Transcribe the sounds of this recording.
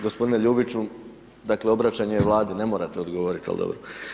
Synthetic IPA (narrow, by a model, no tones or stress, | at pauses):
ɡospo̞d̪ineʎuːbit͡ʃu | d̪akleo̞bɾat͡ɕaɲeʋlˠaːd̪ine̞mo̞ːɾat̪eo̞d̪ɡoʋoɾit̪ia̰lḭd̪o̰bɾo